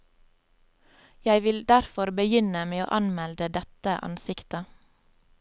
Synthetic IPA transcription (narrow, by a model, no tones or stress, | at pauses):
jæɪʋɪld̪æɾfɔɾbəjʏnəmeːo̰ːʔɑnmɛld̪əd̪ɛt̪əʔɑ̰nsɪkt̪ə